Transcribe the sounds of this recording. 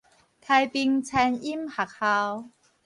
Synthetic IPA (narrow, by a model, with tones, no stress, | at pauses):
t̪ʰa˧jpi˧ŋt͡sʰa˧ni˦˥mha˨˩k̚ha˧w